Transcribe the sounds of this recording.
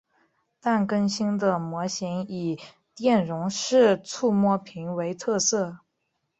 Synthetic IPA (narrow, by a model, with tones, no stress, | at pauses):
t̪a˥˩nkə˥nɕi˥nd̪ə˨mwɔ˧˥ɕi˧˥ni˨˩ | t̪jɛ˥˩nɻʊ˧˥ŋʂɻ̩˥˧t͡sʰu˥˧mwɔ˥˩pʰi˧˥ŋwe˧˥ɪt̪ʰɤ˥˧sɤ˥˩